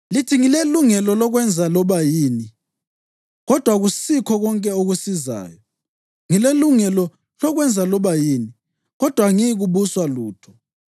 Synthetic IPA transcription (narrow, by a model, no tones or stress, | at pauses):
litʰiŋileluŋɛlɔlɔɣwɛnd͡zʱalɔβajiːni | ɣɔd̥ʱwaɣusikʰɔɣɔŋkʼɛoɣusiza̰ːjɔ | ŋileluŋɛlɔ | lɔɣwɛnd͡zʱalɔβajiːni | ɣɔd̥ʱwaŋiɣuβuswaluːtʰɔ̥